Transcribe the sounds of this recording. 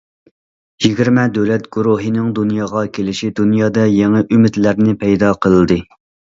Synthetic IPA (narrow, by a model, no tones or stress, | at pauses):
jiɡʲiɾmɛd̪øwlɛt̪ɡ̥uɾuɦɨnɨŋd̪unjɑːʁɑkʲʰelɪʃid̪unjɑːd̪ɑjɛŋɛʔymɪt̪læɾnɪpʰɛjd̪ɑqʰəlˠɨd̪ɨ